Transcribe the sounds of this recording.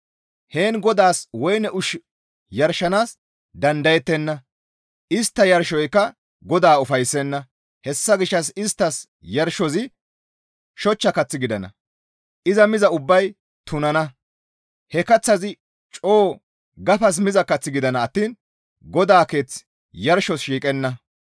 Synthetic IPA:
he̞ːnɡɔd̪aːswɔjnɛʔʊʃ | jɐɾʃːɐnaːs | d̪ɐnd̪ɐjɛt̪ːɛnːɐ | ʔɪst̪ːɐjɐɾʃɔjkːɐ | ɡɔd̪aːʊfɐjsːɛnːɐ | hɛsːɐɡɪʃːɐsɪst̪ːɐs | jɐɾʃɔzɪ | ʃɔt͡ʃːɐkɐt͡sːɪɡɪd̪ɐnɐ̰ | ʔɪzɐmɪzɐʊbːɐj | t̪ʊnɐnɐ | hɛkɐt͡sːɐzɪ | t͡ʃʼoː | ɡɐfɐs̬mɪzɐkɐt͡sːɪɡɪd̪ɐnɐːt̪ːiːn | ɡɔd̪aːke̞ːt͡s | jɐɾʃɔsʃiːkʼɛnːɐ

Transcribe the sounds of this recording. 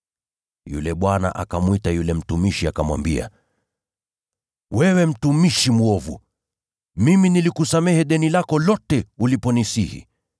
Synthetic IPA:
jṵlɛɓwana̰ʔa̰kamwitajulɛm̩tumiʃiakamwa̰mbia̰ | wɛwɛm̩tumiʃimuɔvṵ | miminilikusamɛhɛɗɛnilakɔlɔtɛulipɔnisihḭ

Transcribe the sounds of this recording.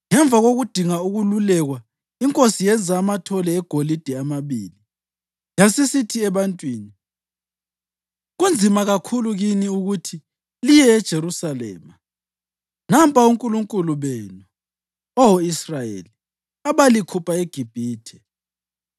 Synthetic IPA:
ŋɛɱbvʱaɣoɣud̥ʱiŋauɣululɛɣwa | iŋkʼosijɛnd͡zʱaːmatʰɔlɛːɡ̥ʱolid̥ʱɛamaβiːli | jasisitʰiɛβantʼwiːni | ɣund͡zʱimaɣakʰuluɣiniuɣutʰi | lijɛːd̥ʒ̥ʱeɾusalɛ̰ːma | nampʼʰauŋkʼuluŋkʼuluβenu | ɔwoisrajḛːli | aβalikʰupʰaeɡ̥ʱib̥ʱiːtʰɛ

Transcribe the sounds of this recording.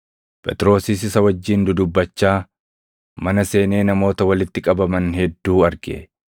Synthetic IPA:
pʼɛ̰t̪ʼɪɾo̞ːsis̬ɪsɐwɐd͡ʒːiːnd̪ʊd̪ʊbːɐt͡ʃːaː | mɐnɐse̞ːne̞ːnɐmo̞ːt̪ɐwɐlɪt̪ːɪkʼɐbɐmɐnhɛd̪ːuːɐɾɡɪ

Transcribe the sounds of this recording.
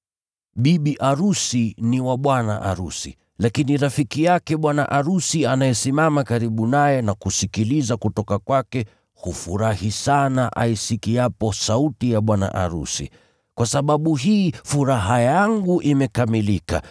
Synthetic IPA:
ɓiɓiʔaɾusiniwaɓwana̰ʔaɾusḭ | lakiniɾafikijakɛɓwana̰ʔaɾusianajɛsimamakaɾiɓunajɛnakusikilizakutɔkakwakɛ | hufuɾahisanaʔa̰isikijapɔsautijaɓwana̰ʔa̰ɾṵsḭ | kwasaɓaɓuɦiːfuɾaɦajaŋɡuʔimɛkamilika̰

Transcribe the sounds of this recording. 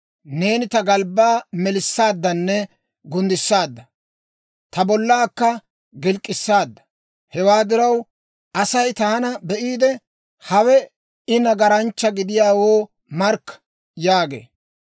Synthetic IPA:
ne̞ːnɪt̪ɐɡɐlbaːmɛlɪsːaːd̪ːɐnːɛ | ɡʊnd̪ɪsːaːd̪ːɐ | t̪ɐbɔlːaːkːɐ | ɡɪlkʼːɪsːaːd̪ːɐ̥ | hɛwaːd̪ɪɾɐw | ʔɐsɐjt̪ɐhɐnɐbɛʔiːd̪ɛ | hɐwɛ | ɪnɐɡɐɾɐnt͡ʃːɐɡɪd̪ɪjaːwoː | mɐɾkː | jaːɡḛː

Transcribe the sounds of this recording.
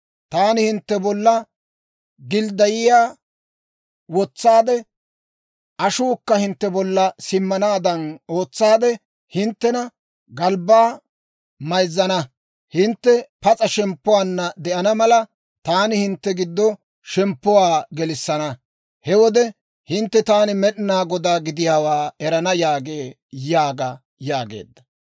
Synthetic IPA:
t̪aːnɪhɪnt̪ːɛbɔlːɐ | ɡɪld̪ɐjɪjaː | wɔt͡sːaːd̪ɛ | ɐʃuːkːɐhɪnt̪ːɛbɔlːɐsɪmːɐnaːd̪ɐno̞ːt͡sːaːd̪ɛ | hɪnt̪ːɛnɐ | ɡɐlbːaː | mɐjzːɐnɐ | hɪnt̪ːɛpɐt͡sʼɐʃɛmpːʊwaːnːɐd̪ɛʔɐnɐmɐlɐ | t̪aːnɪhɪnt̪ːɛɡɪd̪ːɔ | ʃɛmpːʊwaːɡɛlɪsːɐnɐ | hɛwɔd̪ɛ | hɪnt̪ːɛt̪aːnɪmɛɗɪnaːɡɔd̪aːɡɪd̪ɪjaːwaːɛɾɐnɐjaːɡe̞ː | jaːɡɐ | jaːɡḛːd̪ːɐ̥

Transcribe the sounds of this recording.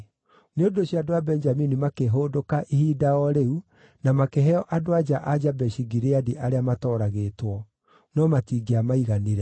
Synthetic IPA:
neodoɕiadowabɛnd͡ʒaminimakeɦoːdokaʔihiːdaɔɾeu | namakeɦɛɔʔadoad͡ʒaʔad͡ʒabɛʃiɡiɾeadiʔaɾeamatɔɾaɣeːtwɔ | nɔmatiːɡeamaiɣaniɾɛ

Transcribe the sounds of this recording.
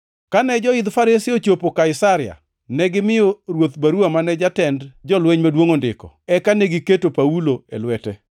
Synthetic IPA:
kanɛd͡ʒɔɪd̪faɾɪsɪot͡ʃopokaɪsaɾɪja̰ | nɛɡɪmɪjoɾwot̪baɾuamanɛd͡ʒatɛndd͡ʒɔlwɛɲmadwoŋondɪ̰kɔ̰ | ɛkaneɡɪketopauloelwɛtɛ

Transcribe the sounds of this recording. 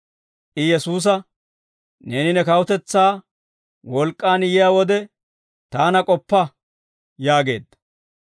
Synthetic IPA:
ʔɪjɛsuːs̬ɐ | ne̞ːnɪnɛkɐwʊt̪ɛt͡sːaː | wɔlkʼːaːnɪjɪjaːwɔd̪ɛ | t̪aːnɐkʼɔpːɐ | jaːɡe̞̰ːd̪ːɐ

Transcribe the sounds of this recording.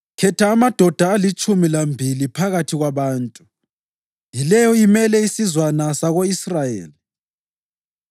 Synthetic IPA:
kʰɛtʰaːmad̥ʱɔd̥ʱaːlit͡ʃʼumilambʱilipʰaɣatʰiɣwaβaːntʼu | jilɛjɔimɛlɛisizwanasaɣoisrajḛːli

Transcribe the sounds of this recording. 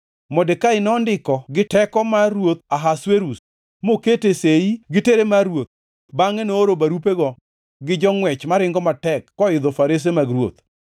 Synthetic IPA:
mɔdekaɪnɔːndɪkɔɡɪtɛkɔmaɾwot̪̚aɦasweɾus | moketeseiɡɪteɾemaɾwot̪̚ | baŋenooɾobaɾupeɡɔ | ɡɪd͡ʒɔŋwɛt͡ʃmaɾɪŋɡɔmatɛkːɔɪd̪ɔfaɾes̬emaɡɾwo̰t̪

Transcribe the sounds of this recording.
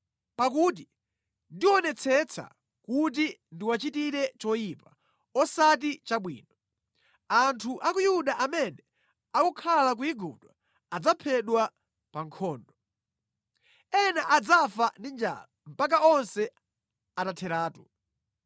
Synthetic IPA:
pakut̬i | ndiwɔnɛt͡sʰɛt͡sʰa̰ | kut̬indiwat͡ʃitiɾɛt͡ʃɔjipa | ɔsat̬it͡ʃaɓwḭːnɔ | antʰuʔakujuɗaʔamɛnɛ | akukʰalak̬uiɡṵɗwa | ad͡zapʰɛɗwa | paŋkʰɔːndɔ | ɛnaʔad͡zafandind͡ʒa̰lam̩pak̬aɔnsɛ | atatʰɛɾaːtu

